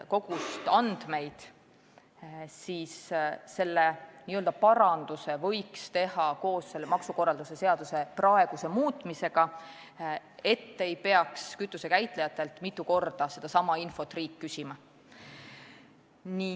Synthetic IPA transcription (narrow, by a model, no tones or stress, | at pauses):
ko̞ɡ̥ust̪ɑnd̪̥me̞jd̪̥ | siːsse̞lːeniøld̪ɑpɑɾɑnd̪̥use̞vɤ̞jkst̪e̞hɑko̞ːsse̞lːemɑksuko̞rːɑld̪use̞se̞ɑd̪̥use̞prɑe̞ɡ̥use̞muːt̪ˑmise̞ɡ̥ɑ | e̞t̪ːe̞jpe̞ɑkskyt̪ːˑuse̞kæjt̪ˑlejɑt̪ːˑe̞lt̪ˑmit̪ˑːuko̞rd̪̥ɑse̞d̪̥ɑsɑmɑinfo̞t̪ːriːkːysʲimɑ | ni